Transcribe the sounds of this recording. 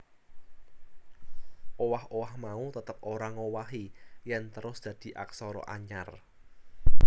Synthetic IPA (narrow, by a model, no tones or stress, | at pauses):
ʔowahowahmaut̪ət̪əp̚ʔoɾaŋowaɦijant̪əɾʊsd̥ä̤d̪̥i̤ʔa̰ksɔɾɔ̰ʔa̰ɲa̰r